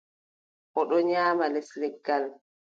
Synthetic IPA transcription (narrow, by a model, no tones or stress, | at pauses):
ʔɔɗɔɲaːmalɛslɛɡːal